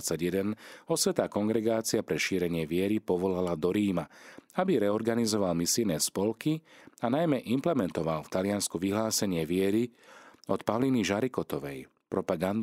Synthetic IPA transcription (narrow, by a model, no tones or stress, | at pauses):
t͡saɟjɛd̪ɛnɔsʋɛt̪aːkɔŋɡɾɛɡaːt͡siapɾɛʃiːɾɛɲɪɛʋɪɛɾipɔʋɔlalad̪ɔɾiːmaabiɾɛɔɾɡanizɔʋalmisijnɛːspɔlkianajmɛʔimplɛmɛnt̪ɔʋalft̪alɪanskuʋiɦlaːsɛɲɪɛʋɪɛɾiɔt̪paʋliniʒaɾikɔt̪ɔʋɛ̰j | pɾɔpaɡand̪